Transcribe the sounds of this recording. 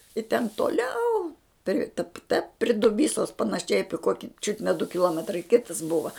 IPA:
ɪ tʲɛn toːˈlʲɛʊ pʲrʲɪ tɐp tɐ pʲrʲɪ dʊˈbʲiːsoːs pɐnɐˈʃʲɛɪ ˈɑːpʲɪ ˈkuɔkʲɪ t͡ʃʲʊt nʲɛ dʊ kʲɪˈlˠuɔmʲɛtrɐɪ ˈkʲɪtɐs ˈbʊʋɐ

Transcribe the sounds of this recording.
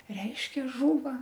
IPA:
ˈrʲɛɪʃʲkʲɛ ˈʒuːʋɐ

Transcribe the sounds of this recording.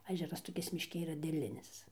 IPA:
ɐˈʒʲæːrɐs toːˈkʲɪs mʲɪʃʲˈkʲɪ iːˈrɐ dʲeːˈlʲɪnʲɪs

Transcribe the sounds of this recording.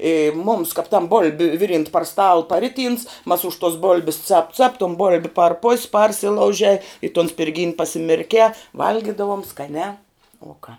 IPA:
eː mʊms kɐp tɐm boːlʲpʲ ˈʋʲɪˌrʲiːnt pɐr stɐlˠ pɐˈrʲɪˌtʲiːns mɐs ʊʃ tuɔs ˈboːlʲbʲɪs t͡sɐp t͡sɐp toːn ˈboːlʲbʲɪ pɐr poːsʲ ˈpɐrʲsʲɪlˠɐʊʒʲɛɪ ɪ toːn sʲpʲɪrʲˈɡʲiːnʲ pɐsʲɪmʲɪrʲˈkʲɛː ˈʋɐlʲɡʲɪdɐʋoːm skɐˈnʲæː ʊ kɑː

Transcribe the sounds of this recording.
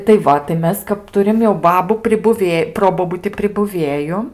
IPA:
tɐɪ ˈʋɐ tɐɪ ˈmʲɛs kɐp ˈtʊrʲɪm jɛʊ ˈbɑːbuː pʲrʲɪbʊˈʋʲeː ˈproːboːbʊtʲɪ pʲrʲɪbʊˈʋʲeːjʊ

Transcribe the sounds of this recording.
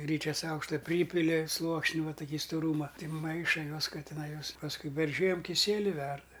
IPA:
ˈɡrʲiːt͡ʃʲɛs ˈɐʊkʃtɐ ˈpʲrʲiːpʲɪlʲɪ ˈslˠuɔksʲnʲɪ ˈʋɐ tʊˈkʲiː stʊˈruːmɐ ˈtʲɪ ˈmɐɪʃɐ ˈjuɔs ˈkɐ tʲɪˈnɐɪ ˈjuɔs pɐsˈkʊɪ pʲɛr ˈʒʲiɛm kʲɪˈsʲiɛlʲɪ ˈʋʲɛrdɐ

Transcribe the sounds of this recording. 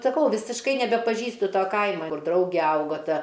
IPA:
sɐˈkɐʊ ʋʲɪsʲɪʃˈkɐɪ nʲɛbʲɛpɐˈʒʲiːstʊ ˈtoː ˈkɐɪmɐ ˈkʊr ˈdrɐʊɡʲɛ ˈɐʊɡoː ˈtɐ

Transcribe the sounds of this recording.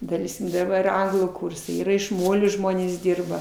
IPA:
dɐˈlʲɛɪsʲkʲɪm dɐˈbɐr ɪr ˈɐŋɡlˠuː ˈkuːrsɐɪ ˈiːrɐ ɪʃ ˈmoːlʲoː ˈʒmoːnʲeːs ˈdʲɪrbɐ

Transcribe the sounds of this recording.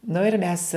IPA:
nʊ ɪr ˈmʲɛs

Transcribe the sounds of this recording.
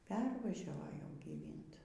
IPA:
ˈpʲɛrʋɐʒʲɛʋoː jɛʊ ɡʲiːˈʋʲɪnt

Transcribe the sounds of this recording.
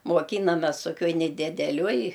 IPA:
moːˈkʲiːnɐmʲɛs toːˈkʲoːj nʲɛdʲɪdʲɛˈlʲoːj

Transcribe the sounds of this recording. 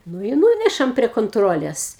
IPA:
ˈnʊ ɪ ˈnuːnʲɛʃɐm pʲrʲiɛ koːnˈtroːlʲeːs

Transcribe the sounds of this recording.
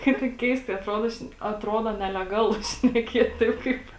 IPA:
ˈkɐɪp tɐɪ ˈkʲɛɪstɐɪ ɐtˈroːdoː ˈʃʲnʲɛ ɐtˈroːdoː nʲɛlʲɛˈɡɑːlˠʊ ʃʲnʲɛˈkʲiɛtʲ ˈtɐɪp ˈkɐɪp

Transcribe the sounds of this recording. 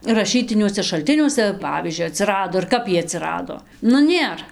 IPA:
rɐˈʃʲiːtʲɪnʲuɔsʲɛ ʃɐlʲˈtʲɪnʲuɔsʲɛ ˈpɑːʋʲiːzʲd͡ʒʲʊɪ ɐˈtʲsʲɪrɐdoː ɪr ˈkɐp iɛj ɐtʲsʲɪˈrɑːdoː ˈnʊ ˈnʲeːr

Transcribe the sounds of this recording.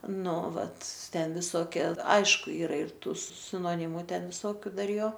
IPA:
ˈnʊ ˈʋɐt ˈtʲɛn ʋʲɪˈsoːkʲeː ˈɐɪʃkʊ ˈiːrɐ ɪr ˈtuː sʲɪnoːˈnʲɪmʊ ˈtʲɛn ʋʲɪˈsoːkʲʊ ˈdɐr ˈjoː

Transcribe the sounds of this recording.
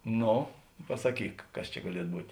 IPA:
ˈnoː pɐsɐˈkʲiːk ˈkɐs t͡ʃʲɛ ɡɐˈlʲiɛt ˈbuːtʲ

